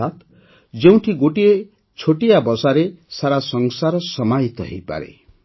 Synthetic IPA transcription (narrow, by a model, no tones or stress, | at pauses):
at̪ | d͡zew̃ʈʰiɡoʈie | t͡ʃʰoʈijabʌsaɾesaɾasʌŋsaɾʌsʌmajt̪ʌ̰ɦḭjpa̰ɾḛ